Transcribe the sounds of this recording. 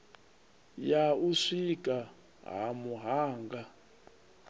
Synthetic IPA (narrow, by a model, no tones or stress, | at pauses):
jauʂik̬ʼa | ɦamuɦaːŋɡa